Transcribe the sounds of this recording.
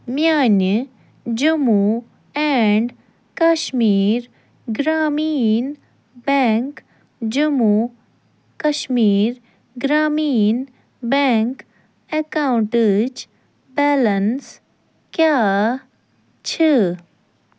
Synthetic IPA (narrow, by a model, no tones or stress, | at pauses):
mjaːnə | d͡ʒumu | ɛɳɖ | kɐʃmiːɾ | ɡɾaːmiːn | bɛːŋk | d͡ʒumu | kɐʃmiːɾ | ɡɾaːmiːn | bɛːŋk | ekaːwɳʈed͡ʒ | bɛːləns | kjaː | t͡ʃʰe